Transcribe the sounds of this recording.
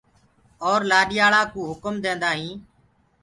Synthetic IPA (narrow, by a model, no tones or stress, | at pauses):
ɔːɾlaːɗɪjaːɭaːkuːɦʊkəmd̪ẽːnd̪aːɦĩː